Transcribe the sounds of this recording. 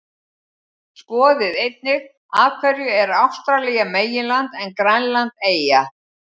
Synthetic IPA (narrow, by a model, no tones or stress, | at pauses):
skɔːðɪðejt̪̚nɪ | aːvkʰvɛɾjʏɛɾawfst̪ɾalɛːjameːjɪlant̪ɛnkɾanlant̪eːja